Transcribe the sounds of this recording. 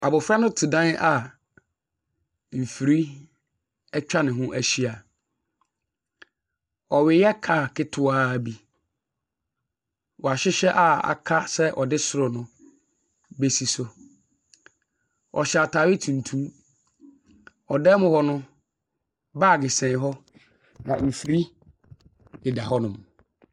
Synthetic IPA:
a˨bʊ˨fɾa˦nʊ̃˦tʰi˨dã˦n˦ʔa˨ | m̩˨fi˨ɾi˦ | ɛ˦t͡ɕᶣa˦nɪ̃˨ɦʊ̃˦ʔæ˨ɕi˦a˨ | ɔ˨ɥɪ˨jɛ˦kʰa˨kʰɪ˦tʰʊ˦aː˦˨bi˦ | wɔ˨a˨ɕɪ˦ɕɛ˦ʔa˨a̰˨kʰa˦sɛ˦ʔɔ˨dɪ˦sʊ˦ɾʊ˨nʊ̃˦ | be˦si˨sʊ˨ | ʔɔ̰˨ɕa˨tʰaː˨wi˦tʰũ˨n̩˨tʰũ˦ | ɔ˨dɛ˦mʊ̃˦hɔ˦nʊ̃˦ | baː˦˨ɡɪ˨sɛ̃˨ɦɔ˦ | nã̰˨ʔ̩˨fi˨ɾi˦ | ɪ˨da˨ɦɔ˦nʊ̃˨mʊ̃˨

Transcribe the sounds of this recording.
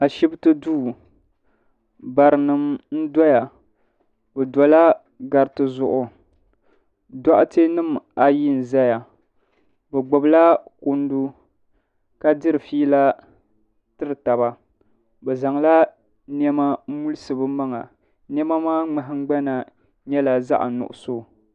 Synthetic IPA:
a˨ʃi˦btɨ˦duː˦˨ | ba˨ɾɨ˨nɨ˨mn̩˦dɔ˦ja˨ | bɛ˨dɔ˨la˦ | ɡa˨ɾtɨ˦zʊ˦ʔʊ˨ | da˦ʔte˦nɨ˦ma˨ji˦n̩˨za˦ja˨ | bɛ˨ɡ͡bo˨bla˦ko˦n˦du˦ | ka˦dɨ˦ɾɨ˨fiː˦la˦ | tɨ˦ɾɨ˨ta˨ba˨ | bɛ˨za˨ŋla˦ | n˦ɛ˦ma˦mu˦lɨ˦sɨ˨bɨ˦ma˦ŋa̰˨ | n˦ɛ˦ma˦maː˦ŋ͡mɛ˨ɦɪ˦ŋ͡mɡ͡ba˦na˨ | ɲɛ˦la˨za̰˦ʔa̰˨nʊ̰˨ʔʊ̰˨so˦

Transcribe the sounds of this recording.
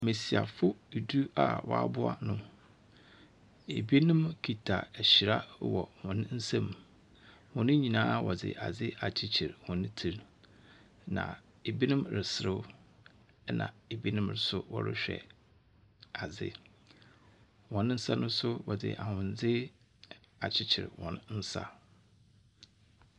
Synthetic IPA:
me˨si˨a̰˨fʊ˦˨du˦a˨wʔɔ̰˦a̰˦bʊ˦a̰˦˨nʊ̃˦ | e˨bi˦nɪ̃˦mkʰi˨tʰa˨ɛ˨ɕɪ˨ɾa˦wɔ̰˨hʊ̃˨ñ˦n̩˦sã˦m | hʊ̃˨nɪ̃˦ɲĩ˨nãː˦wɔ˨d͡zɪ̰˨ʔa˨d͡zɪ˦a˨t͡ɕʰi˨t͡ɕʰɪ˨ɾhʊ̃˨nɪ̃˦tʰi˨ɾ | nã̰˨ | e˨bi˦nʊ̃˦mɾɪ˨sɪ˨ɾɪ˦ | ɛ˦nʔã̰˨e˨bi˦nʊ̃˦mɾɪ˨˦sʊ˦wɔ̰˦ɾɪ̰˦ɕᶣɛ̰˨ | a˨d͡zɪ̰˦ | wɔ̃˨ñ˦n̩˦sa˦nʊ̃˦sʊ˦wɔ˨d͡zɪ̰˨ʔa˨hʊ̃˨n˨d͡zɪ˦ | a˨t͡ɕʰɪ˦t͡ɕʰɪ˨ɾhɔ̃˨nn̩˦sa̰˦

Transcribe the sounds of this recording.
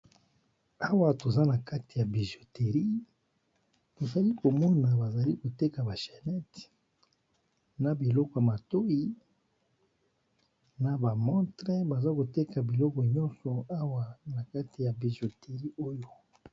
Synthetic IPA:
a˦wa˦to˨za˦na˨ka˦ti˨ja˨bi˨zo˨te˨ʁi˦ | to˨za˨li˦ko˨mɔ˦na˨ba˨za˨li˦ko˨te˦ka˨ba˨ʃɛ˨nɛ˦t | na˨bi˨lɔ˦kɔ˨ja˨ma˨to˦i˨ | na˨ba˨mɔ̃˦tʁe˦ba˨za˦ko˨te˦ka˨bi˨lɔ˦kɔ˨ɲɔ̃˦nsɔ˨a˦wa˦na˨ka˦ti˨ja˨bi˨zo˨te˨ʁi˦o˦jo˦

